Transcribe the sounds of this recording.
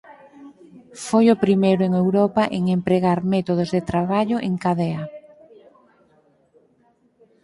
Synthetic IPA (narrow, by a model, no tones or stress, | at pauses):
fojʊpɾimejɾʊeŋewɾɔpaʔeŋempɾeɣaɾmɛt̪oð̞ozðet̪ɾaβ̞aʎʊʔeŋkaðɛa